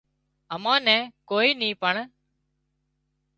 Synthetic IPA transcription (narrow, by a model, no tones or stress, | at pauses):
əmãːnɛ̃ːkoːiːnĩːpəɳ